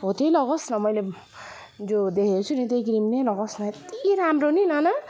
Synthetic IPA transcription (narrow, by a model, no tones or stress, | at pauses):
ɦot̪elʌɡʌsnʌmʌjle | d͡zod̪ekʰet͡sʰunit̪ekɾimnelʌɡʌsnʌt̪iɾamronilʌnʌ